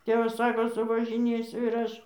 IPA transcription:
ˈtʲeːʋɐs ˈsɑːkoː sʊʋɐʒʲɪˈnʲeːsʲʊ ɪr ˈɐʃ

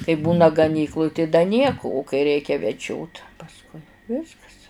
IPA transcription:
kɐɪ ˈbuːnɐ ɡɐˈnʲiːklˠʊj tɐɪ dɐ ˈnʲiɛkʊ ʊ kɐɪ ˈrʲɛɪkʲɛ ʋʲɛˈd͡ʒʲoːt pɐsˈkʊɪ ˈʋʲɪskɐs

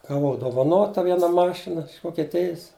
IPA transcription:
ɡɐˈʋɐʊ doːʋɐˈnoːtɐ ˈʋʲiɛnɐ ˈmɑːʃʲɪnɐ ɪʃ ʋoːkʲɛˈtʲɪjɪs

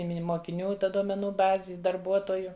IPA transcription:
ɪ ˈmʲɪnʲɪ moːkʲɪˈnʲuː ˈtɐ duɔmʲɛˈnuː ˈbɑːzʲɪ ɪ dɐrˈbuɔtoːjʊ

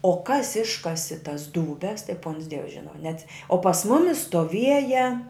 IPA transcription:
oː kɐs ˈɪʃkɐsʲɪ tɐs duːˈbʲɛs tɐɪ puɔns dʲiɛws ˈʒʲɪnɐ nʲɛɐts oː pɐs ˈmʊmʲɪs stoːˈʋʲiɛjɛ

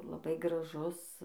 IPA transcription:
lˠɐˈbɐɪ ɡrɐˈʒʊs

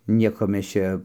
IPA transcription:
ˈnʲiɛkoː ˈmʲɛs ˈt͡ʃʲɛ

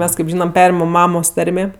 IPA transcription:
ˈmʲɛs kɐɪp ˈʒʲiːnɐm ˈpʲæːrʲɪmɐm ˈmɑːmoːs ˈtɐrʲmʲeː

